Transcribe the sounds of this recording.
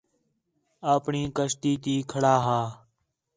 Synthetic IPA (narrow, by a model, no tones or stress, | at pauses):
aːpɳiːkəʃt̪iːt̪iːkʰəɽaːɦaː